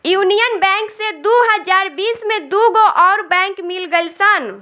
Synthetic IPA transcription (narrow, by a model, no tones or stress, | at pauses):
juːnijənbɛ̃ːŋksed̪uɦəd͡ʒaːɾbiːsmẽd̪uɡoʔɔːɾbɛ̃ːŋkmɪlɡəisan